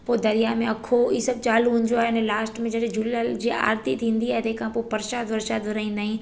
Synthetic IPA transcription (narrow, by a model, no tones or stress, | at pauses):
poːd̪ɐɾijamẽɐkʰoisɐb̚t͡ɕaːluɦũɲd͡ʑoaːeɪnlaːsʈmẽd͡ʑɐɗẽd͡ʑulilald͡ʑiːa̰ːɾt̪it̪ʰĩːnd̪iaːɦet̪eːkʰãpopɐɾʃaːd̪ʋɐɾʃaːd̪ʋɐɾaːĩːnd̪aːɦĩ